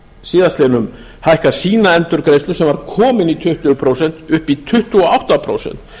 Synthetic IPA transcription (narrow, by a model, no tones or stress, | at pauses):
siːðast̪lɛːnʏm | hajhkasiːnaɛnt̪ʏɾkɾejst̪ʏsɛmvaɾkʰɔːmɪnit̪ʰʏht̪ʏpʰɾowsɛn̥t̪ʏhpit̪ʰʏht̪ʏɔawht̪apʰɾo̰ːwsɛ̰n̥t̪